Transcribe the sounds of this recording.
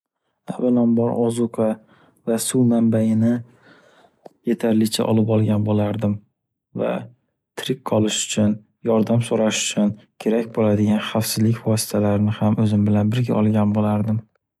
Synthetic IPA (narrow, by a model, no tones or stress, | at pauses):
abɪnɒmbɒɾʔɒzʊqʰa | vasuwmambajɪnɪ | je̞t̪ʰaɾlɪt͡ʃʰa̰ʔɒ̰lɪpɒlˠɡʲanbolaɾd̪ɪm | va̰ | t̪ʰɾɪkqʰɒlˠɪʃʊ̥t͡ʃʰʊn | jɒɾd̪amsoɾaʃʊ̥t͡ʃʰʊnkʲʰe̞ɾakʲbolad̪ɪɡʲanχafsɪzlɪkʲvɒsɪ̥t̪ʰalaɾɪnɪhamɵzɪmbɪlanbɪɾɡʲaʔɒlˠɡʲanbolaɾd̪ɪm